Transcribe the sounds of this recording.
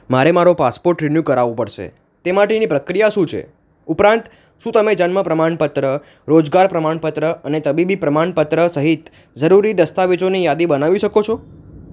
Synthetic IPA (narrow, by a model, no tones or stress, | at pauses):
maɾemaɾopaspoɾʈɾɪnjukəɾaʋũpəɽʃḛ | t̪emaʈenipɾəkɾijaʃũt͡ʃʰḛ | upɾãnt̪ | ʃũt̪əmed͡ʒənməpɾəmaɳpət̪ɾə | ɾod͡ʒɡaɾpɾəmaɳpət̪ɾəənet̪əbibipɾəmaɳpət̪ɾəsəɦit̪ | d͡ʒəɾuɾid̪əst̪aʋed͡ʒonijad̪ibənaʋiʃəkot͡ʃʰɔ